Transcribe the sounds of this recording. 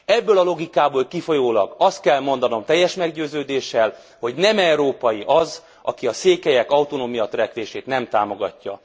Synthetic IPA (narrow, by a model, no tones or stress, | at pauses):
ɛbːøːlɒlo̞ɡikaːboːlkifo̞joːlɒ̰ɡɒst̪̚kɛlmo̞nd̪ɒno̞mt̪ɛjːɛʃmɛɡɟøːzøːd̪eːʃːɛl | ho̞ɟnɛmɛuɾoːpɒjiʔɒz | ʔɒkiɒseːkɛjɛkɒut̪onoːmijɒt̪rɛkʋeːʃeːt̪nɛmt̪aːmo̞ɡɒ̰cːɒ̰